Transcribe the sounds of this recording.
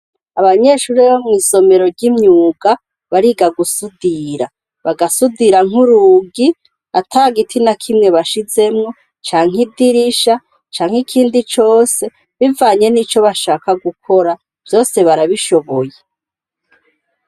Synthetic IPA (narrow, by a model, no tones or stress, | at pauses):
aβaɲe̞ʃuːɾeβomŋiːso̞me̞ɾo̞ɾɟimɲuːɡa | βaɾiɡaɡusudiɾa | βaɡasudiɾaŋ̥uɾuːɡi | atʰaːɡitʰinakʰimŋe̞βaʃize̞mŋo̞ | t͡ʃaːŋ̥idiɾiʃa | t͡ʃaːŋ̥ikʰiːndit͡ʃo̞ːse̞ | βivaːɲe̞nit͡ʃo̞βaʃaːkaɡukʰo̞ɾa | v̥jo̞ːse̞βaɾaβiʃo̞βo̞je